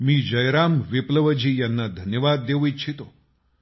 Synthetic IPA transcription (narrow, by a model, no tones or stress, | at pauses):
mĩːd͡ʒəjɾaːmʋipləʋəd͡ʒijanːad̪ʱənjəʋad̪ːeʋuit͡ʃʰit̪o